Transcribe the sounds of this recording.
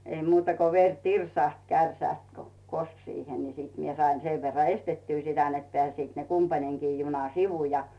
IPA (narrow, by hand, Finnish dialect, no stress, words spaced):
ei muːtɑ ko ʋer tirsɑˑht kærsæˑst ko kosk siːhe ni mie sɑin seʋ ʋerːɑ estetːyː sitæ net peæˑsiːt ne kumpɑneŋkiː junɑ siʋu jɑ